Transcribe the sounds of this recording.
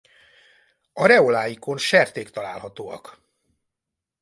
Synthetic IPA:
ɒɾɛolaːjiko̞nʃɛrt̪eːkt̪ɒla̰ːlɦɒt̪oːɒ̰k

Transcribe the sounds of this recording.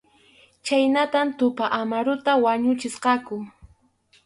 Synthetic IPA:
t͡ʃajnat̪amt̪ʊpaʔamaɾʊt̪awaɲʊt͡ʃɪsqɑkʊ

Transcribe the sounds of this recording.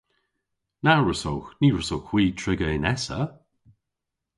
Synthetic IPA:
naɹəsowxniːɹəsowkw̥iːtʰɹɪɡəɪnɛsə̰

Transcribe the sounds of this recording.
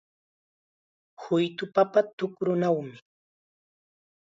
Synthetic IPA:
hʊjt̪ʊpapat̪ʊkɾʊnawmɪ

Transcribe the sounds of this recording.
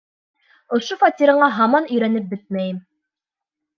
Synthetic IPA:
ŏʃofɑt̪ʲiɾɑɴɑɦɑmɑnɵ̆jɾænɘp̚bɘt̪̚mæjɘm

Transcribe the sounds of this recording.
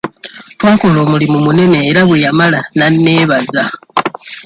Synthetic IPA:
twaːkolo̞ːmulimumune̞ne̞ːɾaβwejamalananːe̞ːβaza

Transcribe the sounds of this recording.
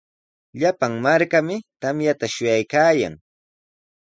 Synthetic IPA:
ʎapaŋmaɾkamɪt̪amjat̪aʃʊjajkaːja̰ŋ

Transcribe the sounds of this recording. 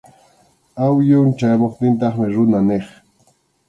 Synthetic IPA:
awjʊnt͡ʃajmoχt̪ɪnt̪̬ɑχmɪɾʊnaneχ

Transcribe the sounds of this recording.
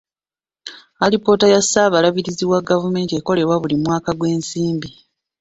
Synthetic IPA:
alipo̞tajasaːβalaβiɾiziwaɡavume̞ːntie̞ko̞le̞βwaβulimwaːkaɡwe̞ːnsiːmbi

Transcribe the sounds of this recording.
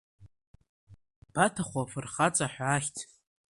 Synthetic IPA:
b̥atʰaχʷafɨrχat͡sʼaħʷᶣaːχʲtʰ

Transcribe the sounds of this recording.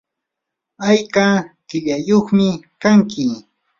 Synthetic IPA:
ajkakɪʎajoχmɪkaŋkɪ

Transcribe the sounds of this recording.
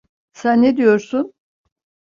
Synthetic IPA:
sænːed̪ijo̞ɾsun

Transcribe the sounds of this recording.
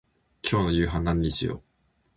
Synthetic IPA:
kʲʰo̞ːno̞jɯ̟ːɦãnːãɲːĩɕijo̰ː

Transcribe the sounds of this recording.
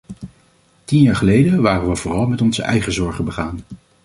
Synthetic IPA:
tinjaːɹχəlejdəʋaːrənʋəvʊːrɑlˠmɛtɔnzə̰ʔɛjχəzɔɹχəbəχaːn

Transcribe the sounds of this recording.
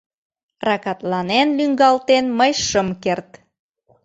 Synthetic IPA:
rɑkɑt̪lɑnenlyŋɡɑlt̪enməjʃəmkert̪

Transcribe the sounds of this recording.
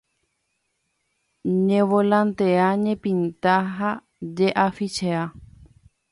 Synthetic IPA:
ɲẽʋolãnt̪eaɲẽpĩnt̪aɦa | d͡ʒeʔafit͡ʃea

